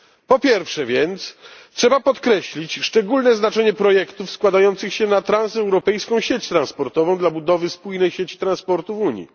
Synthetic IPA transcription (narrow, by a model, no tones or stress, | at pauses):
pɔpʲjɛɾfʂɛvʲjɛnt̪stʂɛbapɔt̪kɾɛɕlʲit͡ɕʂt͡ʂɛɡulnɛznat͡ʂɛɲɛpɾɔjɛkt̪ufskwad̪ajɔnt̪sɘxɕɛnat̪ɾãnsɛwɾɔpɛjskɔ̃w̃ɕet͡ɕt̪ɾanspɔɾt̪ɔvɔ̃w̃d̪labud̪ɔvɘspujnɛjɕet͡ɕi̥t̪ɾãnspɔɾt̪uvuɲjḭ